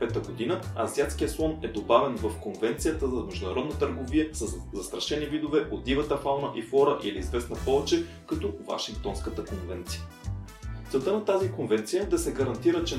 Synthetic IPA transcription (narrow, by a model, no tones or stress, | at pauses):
pɛt̪əɡod̪inəɐziat̪skijəsˠɔnɛd̪obavɛnvəfkonvɛnt̪sijət̪əzɐmɛʒd̪ʊnɐɾɔd̪nət̪əɾɡoviəsəzɐst̪ɾɐʃɛnivid̪ovɛʔod̪ivət̪ɐfalˠnəʔifɔɾəʔiliːzvɛsnɐpɔvɛt͡ʃɛ | kɐt̪ɔva̰ʃiŋk̚t̪ɔnskət̪əkonvɛnt̪sijə | t̪sɛlˠt̪ənɐt̪azikonvɛnt̪sijəd̪ɐsɛɡɐɾɐnt̪iɾət͡ʃɛ